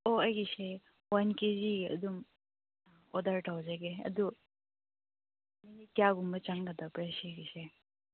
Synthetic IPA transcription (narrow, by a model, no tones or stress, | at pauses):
oɐjɡise | wankeziɡiɐ̰dum | ɔdɐɾtawzaɡeɐ̰du | minitjaɡumbɐt͡ʃaŋɡɐd̪apjasijɡise